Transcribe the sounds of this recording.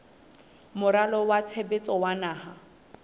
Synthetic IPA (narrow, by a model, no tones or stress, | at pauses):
mʊɾalɔwat͡sʰebet͡sʼɔwanaːha